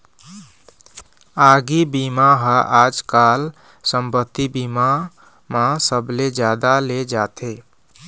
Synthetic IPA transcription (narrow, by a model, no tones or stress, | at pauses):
aɡibimaɦəʔad͡ʒkal | səmpət̪ːibima | masəbled͡ʒjad̪aled͡ʒat̪ʰe